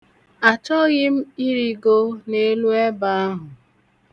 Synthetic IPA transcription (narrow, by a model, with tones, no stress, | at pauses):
a˨t͡ʃɔ˦ɣɪ˦m̩˦i˦ɾi˦ɡo˦ne˦lu˦e˦ba˨a˦ɦʊ˨